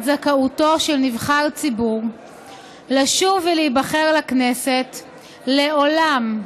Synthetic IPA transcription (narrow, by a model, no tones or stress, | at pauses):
zakauto̞ʃelnivχalt͡sibuʁ | laʃuveliibaχeʁlakneset | le̞o̞lam